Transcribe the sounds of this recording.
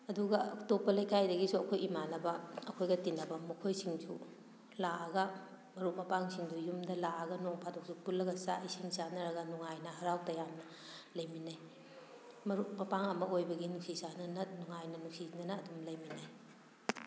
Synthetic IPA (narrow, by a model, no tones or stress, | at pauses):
ɐduɡɐtopːɐlɐjkʰajdɐɡisuɐkʰojimanɐbɐɐkʰojɡɐtinɐbɐmukʰojsiŋd͡ʒʰu | laʔɐɡɐ | mɐɾuʔ̚mɐpaŋsiŋdujumdɐlaɐɡɐnoŋpʰatok̚supulːɐɡɐsa̰ʔisiŋsanɐɾɐɡɐnuŋajnɐɦɐɾawtɐjamnɐ | lɐjminaj | mɐɾuʔ̚mɐpaŋɐmɐojbɐɡinuk̚sisanɐnɐnuŋajnɐnuk̚sinɐnɐːdumlɐjminaj